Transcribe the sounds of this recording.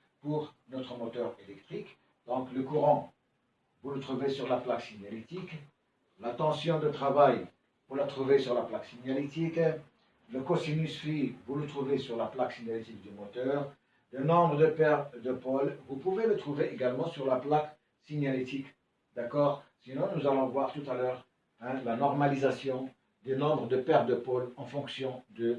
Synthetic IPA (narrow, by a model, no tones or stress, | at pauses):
puʁnɔt̪χəmɔt̪œːʁelɛkt̪χik | d̪̥ɔ̃kləkuʁɑ̃ | vulət̪χuvesyʁlaplaksiɲjalit̪ik | lat̪ɑ̃sjɔ̃d̪ət̪χavaj | vuʁlat̪χuvesyʁlaplaksiɲjalit̪ik | ləkosinysfivulət̪χuvesyʁlaplaksiɲalet̪ik̚d̪əmɔt̪œːʁ | d̪enɔ̃bʁəd̪əpɛʁd̪əpɔlvupuvelət̪χuveʔeɡalmɑ̃syʁlaplak | siɲjalit̪ik | d̪akɔːʁsinɔ̃nuzalɔ̃vwaʁt̪ut̪alœːʁ | ɛ̃lanɔʁmalizasjɔ̃ | d̪enɔ̃bʁəd̪əpɛʁd̪əpolɑ̃fɔ̃ksjɔ̃d̪ə